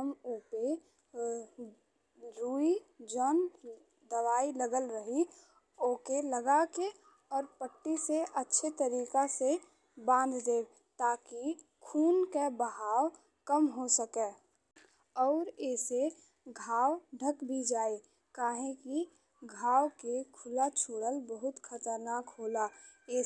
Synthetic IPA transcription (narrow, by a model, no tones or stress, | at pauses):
əmuːpe | ɾuːid͡ʒɔːn | d̪əʋaːiləɡəlɾəɦi | oːkeləɡake | ɔːɾpəʈːiseʔətːʃʰet̪əɾiːkase | bãːnd̪d̪eː | t̪aːki | kʰuːnkebəɦaːw | kəmɦosəkeː | ɔːɾeːse | ɡʱaːwɖʱəkbʱid͡ʒaːe | kaːɦẽki | ɡʱaːwkekʰʊlat͡ʃʰoːɽəlbəɦʊt̪kʰət̪əɾnaːkɦoːlae